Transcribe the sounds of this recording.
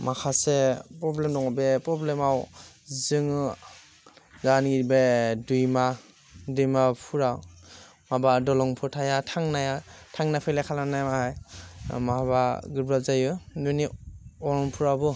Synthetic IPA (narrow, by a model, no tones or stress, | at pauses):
makʰasepɾɔblemdɔŋɔbepɾɔblemawzɯŋɯ | zaniɡiɾibedujma | dujmapʰuɾaw | mabadɔlɔŋpʰɯtʰajatʰaŋnajatʰaŋnapʰɯjlakʰalanajamahajmahabaɡɯɾbɾazajɯnujniɔɾɔŋpʰuɾawbɯ